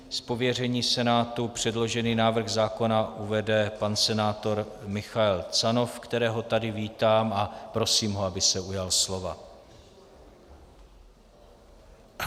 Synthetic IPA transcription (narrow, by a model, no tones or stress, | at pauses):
spo̞vjɛr̝ɛɲiːsɛnaːt̪upr̝̥ɛdlo̞ʒɛniːnaːvr̩ɣzaːko̞naʔuvɛdɛpansɛnaːt̪o̞ɾ | mɪxaɛlt͡sano̞fkt̪ɛɾɛːɦo̞t̪adɪviːt̪aːmapɾo̞siːmɦoabɪsɛujalslo̞va